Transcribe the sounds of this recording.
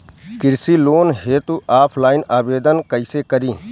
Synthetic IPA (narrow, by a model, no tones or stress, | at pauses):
kɪɾsiːloːnɦeːt̪uʔaːpʰlaːinaːbeːd̪ənkɐisekɐɾĩː